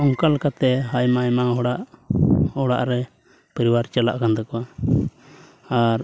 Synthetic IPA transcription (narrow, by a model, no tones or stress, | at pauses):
ɔŋkalkat̪ɛɦajmajmaɦɔɽaʔ | ɔɽa̰ʔɾɛ | pəɾiwaɾt͡ʃala̰ʔkand̪ɔkɔwa | aɾ